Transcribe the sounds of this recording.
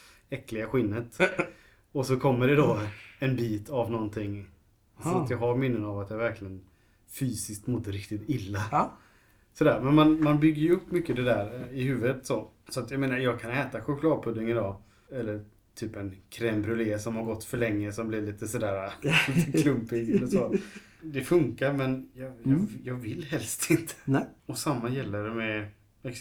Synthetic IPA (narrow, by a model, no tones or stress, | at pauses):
ɛklɪɡaɧɪnːət̪ | ɔsɔkʰɔmːəɖɛd̪ɔɛnbiːt̪avnɔnt̪ʰɪŋː | sɔat̪jɑɡɦaɾmɪnːənavat̪jɑvæɾklɪɡən | fyːsɪskt̪mɔd̪ːəɾɪkt̪ɪt̪ɪlːa | sɔd̪æːɾmɛnmanmanbʏɡːəɾjʉɵpːmʏkːəd̪ɛd̪æːɾɪhʉ̟ːvət̪sɔ | sɔat̪jaɡmeːnaɾjɑːɡ̚kʰanɛːt̪aɧʊkʰlɑːd̪̚pʰɵd̪ːɪŋɪd̪ɑː | ɛlːəɾ | t̪ʰyːpɛnkʰɾɛmbɾɵleːsɔmhaɾɡɔt̪ːfœɭɛŋːəsɔmblɪɭiːt̪əsɔd̪æːɾakʰlɵmpɪɡɛlːəʂoː | d̪ɛfɵŋkaɾmɛnjɑjɑːɡvɪlːɦɛlst̪ɪnt̪ʰə̥ɔsamːajɛlːəɖɛmɛ | ɛks